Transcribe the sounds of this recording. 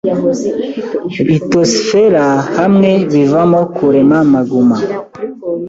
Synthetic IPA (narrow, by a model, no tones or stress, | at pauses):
βitosfeɾahamŋeβivamokʰuɾemamaɡuma